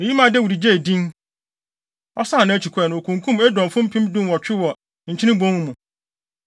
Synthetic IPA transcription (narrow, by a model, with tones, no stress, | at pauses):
e˨ji˦mã˨dɛ˦wu˨ɾi˨d͡ʑe˦˨dĩ˦n | ɔ˦sã˦˨nã˦æ˦t͡ɕʰi˨kʰɛ˦˨ñ˨o˨kʰũ˨ŋkʰũ˦mɛ˦dɔ̃˨fʊ̃˦m̩˦pʰĩ˦mdũ˦wɔ˨t͡ɕᶣɪ˦wɔ˨ | ɲ̩˨t͡ɕʰi˦nɪ̃˦ɡ͡bõ˦ũ˦mũ˨